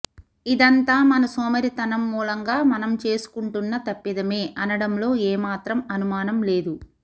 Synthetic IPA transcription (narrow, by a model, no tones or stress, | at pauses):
id̪ɐnt̪aːmɐnɐsɔːmɐɾit̪ɐnɐmːuːlɐŋɡaːmɐnɐmt͡ʃeːsu̥kuɳʈunːɐt̪ɐpːid̪ɐme̞ːʔɐnɐɽɐmlo̞ːeːmaːt̪ɾɐmɐnumaːnɐmle̞ːd̪u